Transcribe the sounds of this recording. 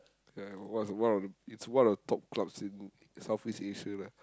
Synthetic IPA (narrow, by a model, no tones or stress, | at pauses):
jawɔtswãnɔfdəitswãnɔvdətʰɔp̚klabsĩn | saʊfwisteʃəla